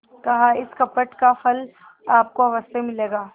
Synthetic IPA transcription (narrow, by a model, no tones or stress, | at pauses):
kɐɦaɪskɐpəʈkafɐl | aːp̚koɐʋəst̪emɪleːɡaː